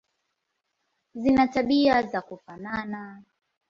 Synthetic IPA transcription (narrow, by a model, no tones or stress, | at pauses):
zinataɓiazakufanana